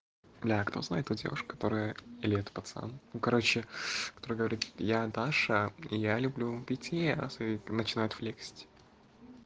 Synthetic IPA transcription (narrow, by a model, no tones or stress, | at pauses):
blʲakt̪o̞zna̰ɪt̪ːudʲḛvʊʂkkɐ̥t̪o̞ɾəjəɪlʲɛt̪ʊ̥pɐt̪sa̰nnukɐɾo̞t͡ɕɪkɐ̥t̪o̞ɾɨjɡəvɐɾʲit̪jad̪aʂəjalʲʊblʲupʲɪtʲijaasɨnət͡ɕɪnajʊt̪flʲeksʲtʲ